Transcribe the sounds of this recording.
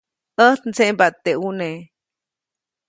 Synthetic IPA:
əht̪nt͡sembat̪ːeune

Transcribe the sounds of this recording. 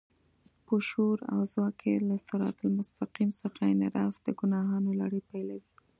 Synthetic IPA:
pəʃoɾa̰wzwɑkʰelasaɾɑ̰t̪ʊlmʊst̪aqimsəxaɪnɪɾɑfd̪əɡʊnɑɦɑnola̰ɽəpajlawi

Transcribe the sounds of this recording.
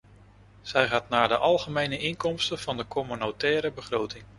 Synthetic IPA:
z̥ɛjχaːtnaːɹdəʔɑlˠχəmejnəʔɪnkɔmstənv̥ɑndəkʰɔmynotɛːɾəbəχrowtɪŋ

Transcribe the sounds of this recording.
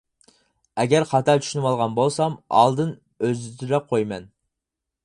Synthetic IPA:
ɛɡʲɛɾχɑt̪ʰɑlt͡ʃ̪ʰy̥ʃynɪmɑlˠʁɑnbolˠsɑmɑ̰lˠd̪ɨn | øzt̪ʰyɾɛqʰojmɛ̰n

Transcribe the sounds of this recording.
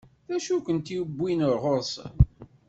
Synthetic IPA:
θæʃukʷənt̪iwbʷːinəɾʁosə̰n

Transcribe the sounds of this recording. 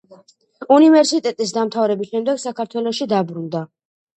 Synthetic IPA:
univɛɾsit̪ʼɛt̪ʼis̬d̪amt̪ʰavɾɛbisʃɛmd̪ɛɡsakʰaɾt̪ʰwɛlˠɔʃid̪abɾund̪a

